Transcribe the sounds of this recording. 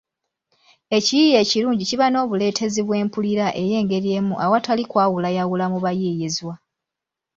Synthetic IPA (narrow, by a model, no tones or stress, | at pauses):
e̞cijije̞ːciɾuːɲɟiciβano̞ːβule̞ːtʰe̞ziβwe̞ːmpuliɾaʔe̞je̞ːŋɡe̞ɾie̞ːmuʔawatalikwaːwulajawulamuβajiːjizwa